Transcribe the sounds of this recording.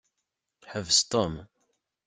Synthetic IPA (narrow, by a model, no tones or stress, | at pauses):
ħəvəst̪om